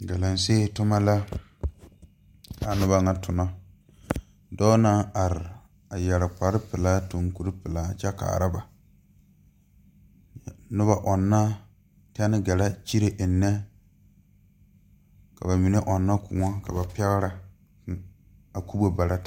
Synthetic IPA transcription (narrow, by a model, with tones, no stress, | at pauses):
ɡa˨la˨n˨se˦˨tʊ˦ma˦la˦ | a˨nʊ˦ba˦ŋa˦tʊ˨nɔ˦ | dɔː˦na˦a˨ɾɪ˨ | a˨jɛ˨ɾɪ˨k͡pa˨ɾɪ˦pɪ˨laː˦to˨ŋku˨ɾɨ˦pɨ˨la˦t͡ʃɛ˦ka̰ː˨ɾa˦ba˨ | nʊ˦ba˨ʔɔ˨nːa˦ | tɛ˦nɪ˦ɡɛ˨la˦t͡ʃi˦ɾe˨ʔnːɛ˦ | ka˨ba˨mi˨ne˦ʔɔ˨nːa˦kʰʊ˨ŋɔ˦ka˨ba˨pɛ˦ɣɾa˨ | a˨ku˦bo˦ba˨ɾa˦